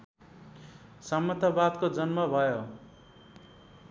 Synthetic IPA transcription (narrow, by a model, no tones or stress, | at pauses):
sʌmːʌt̪abad̪kod͡zʌnmʌbʱʌjo